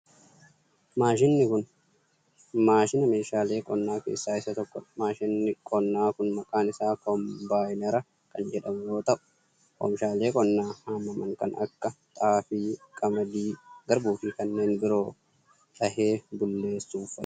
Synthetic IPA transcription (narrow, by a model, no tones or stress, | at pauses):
maːʃɪnːɪkʊn | maːʃɪnɐme̞ːʃaːle̞ːkʼɔnːaːke̞̰ːsːaːɪsɐt̪ɔkːɔᶑmaːʃɪnːɪkʼɔnːaːkʊnmɐkʼaːnɪsaːkɔmbaːjnɛɾɐ | kɐnd͡ʒɛᶑɐmjo̞ːt̪ɐʔʊ̥ | kɔ̰mʃaːle̞ːkʼɔnːaːhaːmːɐmɐŋkɐ̰nɐ̰kːɐt̪ʼaːfiːkʼɐmɐd̪iːɡ̥ɐɾbuːfɪkɐnːe̞ːnbɪɾo̞ː | t̪ʼɐhe̞ːbʊlːe̞ːsːuːfɐ